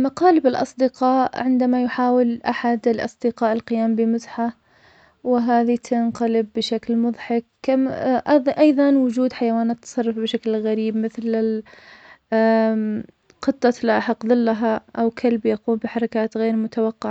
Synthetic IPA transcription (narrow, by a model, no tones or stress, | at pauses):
maqɑːlɪbɪlʔɑ̰sˤd̪ɪqɑːʔʕɪnd̪amajʊħaːwɪlʔaħad̪ɪlʔɑ̰sˤd̪ɪqɑːʔɪlqɪjaːmbɪmʊzħa | wɪɦaːðit̪ʰanqɑlɪbːɪʃaklmʊðˤħɪkːaʔʔɑjðˤɑnwʊd͡ʒuːd̪ħajawaːnat̪ːsˤɑrˤːɑfbɪʃaklɣaɾiːbmɪθlɪ | qɨt̪ˤːɑlaʔaħɑqːðˤɨlːaɦaʔawkʰalbjaquːmbɪħɑɾˤɑkaːt̪ɣeːɾmʊt̪awɑqːɪʕa